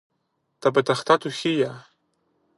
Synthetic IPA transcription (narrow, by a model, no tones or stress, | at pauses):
t̪abat̪aχt̪ʰat̪uxija